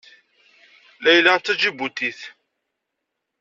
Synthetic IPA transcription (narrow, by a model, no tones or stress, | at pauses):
læjlat͡s̪ːæd͡ʒibut̪iθ